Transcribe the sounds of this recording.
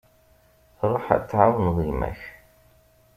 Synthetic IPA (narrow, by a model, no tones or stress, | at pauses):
θɾˤoħa̰t͡sːʕawnðˤimæ̰ç